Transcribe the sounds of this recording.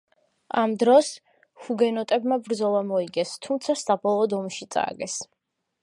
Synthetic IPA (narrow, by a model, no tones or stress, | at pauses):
amd̪ɾɔs | huɡɛnɔt̪ʼɛbmabɾd̪zɔlˠamɔiɡɛst̪ʰumt̪sʰasabɔlˠɔːd̪ɔmʃit̪sʼa̰ɡɛs